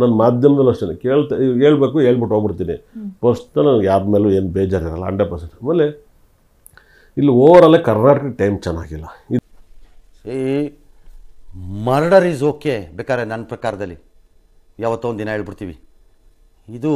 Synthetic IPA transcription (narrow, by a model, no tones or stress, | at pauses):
nɐnːɐmaːd̪ʱjɐmɐd̪ɐlɐt͡ʃɐnɐkeːɭt̪ike̞ːɭbe̞ːkue̞ːɭbiʈɦoːɡbiɽt̪iːniposʈnɐlːɐnɡjaːd̪meːlueːnubɛːd͡ʒaːɾiɾɐlːɐ̰ɐ̰ɳɖepɐsaɾmeːlːe | ilːioːʋɐɾɐlːekɐɾnaːʈɐkʈɐjmt͡ʃɛnːa̰ːɡilːɐi | e | mɐɾɐɽɐɾiːzoːkebeːkaːɾenɐnːpɾɐkaːɾɐd̪ɐlːi | jaːʋɐt̪ːuond̪inɐɦeːɭbiɽt̪iːʋi | id̪u